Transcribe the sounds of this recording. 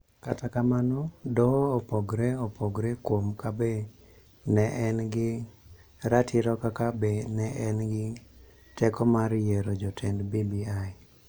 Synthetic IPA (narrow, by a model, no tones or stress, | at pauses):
katakamanɔdɔːpoɡɾeopoɡɾekwomkabe | nɛʔɛnɡɪ | ɾatʰɪɾɔkakabenɛʔɛnɡɪ | tɛkɔmaɾjɛɾod͡ʒɔtʰɛndbibiaj